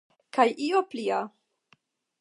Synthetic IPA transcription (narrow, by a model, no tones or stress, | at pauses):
kajʔioplia